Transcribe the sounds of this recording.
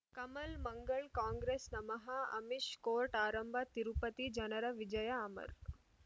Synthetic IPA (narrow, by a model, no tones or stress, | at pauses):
kɐmɐlmɐŋɡɐɭkaːŋɡɾeːsnɐmɐɦɐɐ̰miʃkoːɾʈaːɾɐmbʱɐt̪iɾupɐt̪id͡ʒɐnɐɾɐʋid͡ʒɐjɐːmɐ̰ɾ